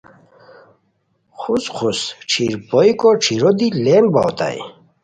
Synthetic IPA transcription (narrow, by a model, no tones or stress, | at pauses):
xusχʰusʈ͡ʂʰiɾpojkoʈ͡ʂʰiɾod̪ilembawt̪a̰j